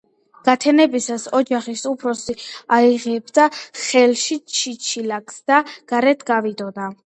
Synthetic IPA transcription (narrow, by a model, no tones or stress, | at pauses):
ɡ̥at̪ʰɛnɛbisasɔd͡ʒaχisupʰɾɔsiaiʁɛbd̪aχɛlʃit͡ʃʰit͡ʃʰilakʰsd̪̥aɡ̥aɾɛt̪ʰɡavid̪ɔd̪a